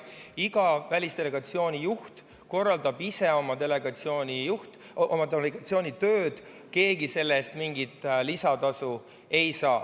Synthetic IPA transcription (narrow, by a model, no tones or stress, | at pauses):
iɡ̥ɑvælʲist̪e̞le̞ɡ̥ɑt̪sio̞ːnʲijuht̪ | ko̞rːɑld̪ɑbise̞o̞mɑd̪e̞leɡ̥ɑt̪sioːnʲijuht̪ | ʔomɑt̪eleɡ̥ɑt̪sio̞ːnit̪ø̞ːd̪̥ | ke̞ːɡ̥ise̞lːe̞st̪miŋɡit̪lisɑt̪ɑsu | e̞jsɑː